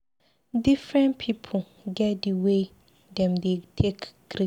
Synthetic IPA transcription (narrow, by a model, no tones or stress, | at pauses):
dɪfɹɛ̃npʰipʰo | ɡɛt̚diwe | dɛ̃mdetʰekɡ̥ɾi